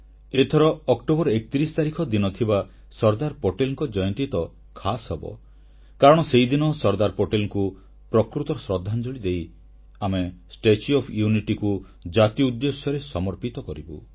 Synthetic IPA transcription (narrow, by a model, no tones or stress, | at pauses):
et̪ʰɔɾɔːkʈobɔɾɔek̚t̪iɾisɔ̥t̪aɾikʰɔd̪inɔt̪ʰiba | sɔɾd̪aɾpoʈelŋkɔd͡ʒɔjɔnt̪ɾit̪ɔ | kʰasɦɔbɔ̰ | kaɾɔɽ̃ɔsejd̪inɔsɔɾd̪aɾpoʈelku | pɾɔkɾut̪ɔɾɔsɾɔd̪ʱːand͡ʒoɭid̪ej | amesʈet͡ʃiɔpʰjuniʈiku | d͡ʒat̪ijɔud̪ːesjɔɾesɔmɔɾpit̪ɔkɔɾibṵ